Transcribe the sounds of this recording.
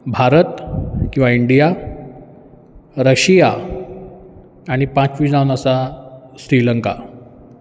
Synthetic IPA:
bʱaɾət̪kĩw̃ʋaiɳɖija | ɾəɕija | ɽ̃ipãt͡sʋiːd͡zaʋnasaɕɾiləŋka̰

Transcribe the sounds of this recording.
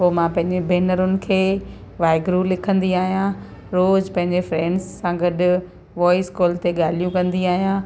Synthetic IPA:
poːmãpɐ̃ɦɪ̃ɲd͡ʑebeːnəɾʊnɪ̆kʰeː | ʋaːɪɡɾulɪkʰə̃nd̪iaːɦijã | ɾoːd͡ʑpɐ̃ɦɪ̃ɲd͡ʑefɾɛ̃ːɳɖzːãɡɐɗʊ | ʋɔːɪskoːlt̪eɠaːlijũkɐ̃nd̪iaːɦijã

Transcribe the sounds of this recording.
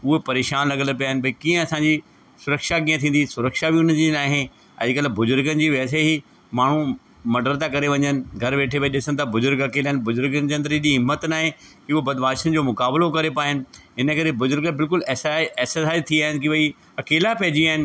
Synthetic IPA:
ʊɦepɐɾeːʃaːnlɐɠələp̬ijaːɦɪnɪ̆bɐikĩːə̃ɐsãːɲd͡ʑi | sʊɾəkʃakĩːə̃t̪ʰĩːn̆d̪isʊɾəkʃabiʊn̤əd͡ʑinaːɦe | ɐ̰d͡ʑɪkəlabʊzʊɾɡənɪ̆d͡ʑiːʋɛːs̬eɦi | maːɳ̤ũ | mɐɖəɾt̪akɐɾeʋɐ̃ɲənɪ̆ɡʱɐɾʋeːʈʰebɐiɗɪsə̃nɪ̆t̪ʰabʊzʊɾɡɐkeːlaːɦɪ̃nɪbʊzʊɾɡənɪd͡ʑeɐ̃nd̪əɾɗiɦɪmːət̪naːɦekiʊɦobɐd̪baːʃənɪ̆d͡ʑoːmʊkaːblokɐɾepaːɦɪnɪ̆ɦɪnə̆kɐɾebʊzʊɾɡəbɪlk̬ʊlɛsɛːsəsaːt̪ʰiaːɦɪnɪkiʋɐi | ɐkeːlapɛɦd͡ʑiaːɦɪnɪ̆

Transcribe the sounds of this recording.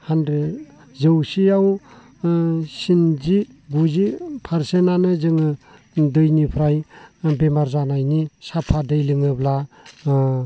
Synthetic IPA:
handɾe | zɯwsiaw | sinziɡuzipʰaɾsenanɯzɯŋɯ | dɯjnipʰɾajbemaɾzanajnisapʰadɯjlɯŋɯbla

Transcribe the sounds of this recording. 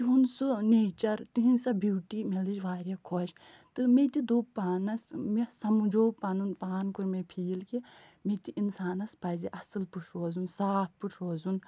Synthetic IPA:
t̪iɦunsuneːt͡ʃɐɾt̪iɦĩnsɐbʱuːʈimelid͡ʒʋaːɾʲakʰoʃ | t̪ɨmet̪id̪uːpːaːnɐsmesɐmud͡ʒoːpːɐnunpaːnkuɾmepʰiːlkimet̪iʔinsaːnɐspɐziʔɐsɨlpuʈʰɾoːzunsaːp̚puʈʰɾoːzun

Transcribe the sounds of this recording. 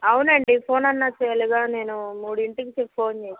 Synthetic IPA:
ɐwunɐɳɖipʰo̞ːnɐnːat͡ʃːeːliɡaːne̞ːnumuːɽuiɳʈikit͡ʃepːpʰo̞ːnt͡ʃeːsa

